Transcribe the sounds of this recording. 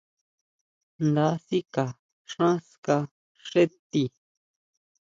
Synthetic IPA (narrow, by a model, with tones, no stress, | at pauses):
nd̪a˦si˦ka˨ | ʂã˦ska˧ | ʂe˦t̪i˧